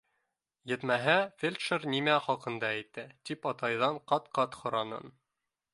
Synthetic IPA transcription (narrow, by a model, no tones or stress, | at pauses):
jɘ̆t̪mæɦæfʲelʲt̪ʃɘɾnimæχɒqɤ̆nd̪ɑæjt̪ːɘt̪ipɑt̪ɑjðɑɴqɑt̪qɑt̪χŏɾɑnɤ̰n